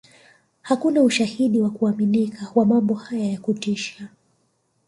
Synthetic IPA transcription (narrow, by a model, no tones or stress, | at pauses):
hakunauʃahiɗiwakuaminikawamambɔhajajakutiʃa